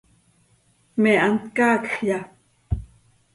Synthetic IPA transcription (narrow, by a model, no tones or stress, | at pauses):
meʔant̪kaːkxja